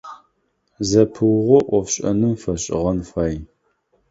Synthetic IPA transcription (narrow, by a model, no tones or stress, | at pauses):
zɐpʰɨwʁʷɔʔʷɔfɕʼɐ̰nɨmfɐɕʼɪ̰ʁɐnfaːj